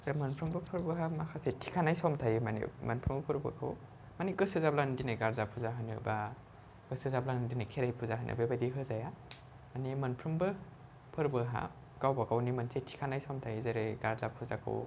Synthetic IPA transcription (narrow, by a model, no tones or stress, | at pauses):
zemɐnpʰɾumbɯpʰɯɾbɯɦamakʰasetʰi̥kʰanajsɔmtʰajimanḭmɐ̰npʰɾumbɐpʰɯɾba̰kʰa̰w | maniɡɯsɯzablandinɯɡaɾzapʰuzaɦɯnɯ̰ba | ɡɯsɯzablandinɯkʰeɾajpʰuzaɦɯnʔɯ̰bebadiɦɯzaja | manimɐnpʰɾumbɯ | pʰɯɾbɯɦa̰ | ɡawbakʰawnimansetʰi̥kʰanajsɔmtʰajizaɾeɡaɾzapʰuzakʰɯ̰w